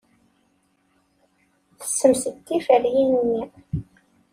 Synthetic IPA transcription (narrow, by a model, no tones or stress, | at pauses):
θə̥sːəmsətːifəɾjinunːi